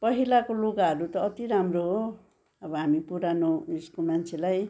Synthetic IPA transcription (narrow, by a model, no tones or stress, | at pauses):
pʌɦilakoluɡaɾut̪ɔːt̪iɾamɾo | abɔamipuɾanoiskulmansʰelaj